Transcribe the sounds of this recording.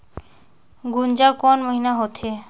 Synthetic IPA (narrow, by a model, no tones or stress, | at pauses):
ɡund͡ʒakɔnməɦinaɦot̪ʰe